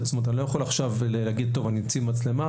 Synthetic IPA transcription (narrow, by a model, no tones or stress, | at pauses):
zmet̪̬anilo̞jaχolaχʃavllaɡid̚t̪o̞vanimt͡simat͡sle̞ma